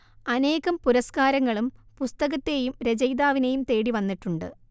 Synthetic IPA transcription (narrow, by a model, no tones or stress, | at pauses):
ɐne̞ːɣɐmpuɾɐskaːɾɐŋːɐɭumpust̪ɐɣɐt̪ːe̞ːjumɾed͡ʑɐjd̪aːʋine̞jumt̪e̞ːɽiʋɐnːiʈːuɳɖɨ̰